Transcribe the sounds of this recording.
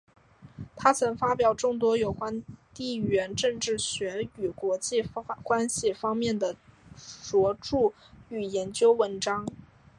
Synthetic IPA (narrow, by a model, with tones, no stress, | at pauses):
t̪ʰa˥t͡sʰɤ˧˥ŋfa˥pjɑ˨˩ʊʈ͡ʂʊ˥˩ŋt̪̬wɔ˥jo˨˩ʊkwa˥nt̪i˥˩ɥɛ˧˥nʈ͡ʂɤ˥˧ŋʈ͡ʂɻ̩˥˩ɕɥɛ˧˥y˨˩kwɔ˧˥t͡ɕi˥˩kwa˥nɕi˨˩fɑ˥ŋmjɛ˥˩nd̪ə˩t͡swɔ˧˥ʈ͡ʂu˥˩ | y˨˩jɛ˧˥nt͡ɕjo˥ʊwə˧˥nʈ͡ʂɑ˥ŋ